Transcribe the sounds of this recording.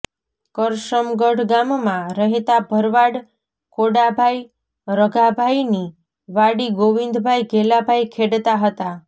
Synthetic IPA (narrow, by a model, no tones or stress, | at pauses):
kəɾʃəmɡəɽɡammãɾəɦet̪abʱəɾʋaɽ | koɽabʱaj | ɾəɡʱabʱajni | ʋaɽiɡoʋind̪bʱajɡelabʱajkʰeɽt̪aɦət̪a